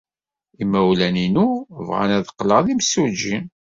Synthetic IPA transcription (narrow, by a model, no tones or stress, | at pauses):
imːæwlæninuvʁa̰næðəqːləʁðimsud͡ʒːin